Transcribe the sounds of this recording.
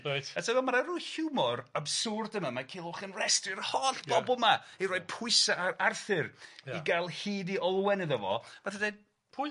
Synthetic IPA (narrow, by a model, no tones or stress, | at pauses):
ejtatʰavɛmaɾaruːhjumɔrabsʊrdəmamakʰɪːlˠʊχənrɛstrɪrhɔɬb̥ɔbɔlˠmaiɾɔjd̚pʰʊɨsaarθɨriɡalˠhiːdiɔlˠwɛnɨðəvɔ̰m̥aθədejd̥ | pʰʊ